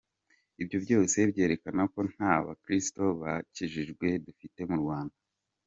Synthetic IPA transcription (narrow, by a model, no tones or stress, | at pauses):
ibjo̞bɟo̞ːse̞bɟe̞ːɾe̞kanako̞n̥haːβa̰kɾisto̞βaciʒiʒɡwe̞dufite̞muɾɡwaːnda